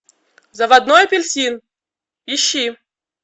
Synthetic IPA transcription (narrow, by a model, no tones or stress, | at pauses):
zɐvɐd̪nojpʲɪlʲsʲin | iɕːi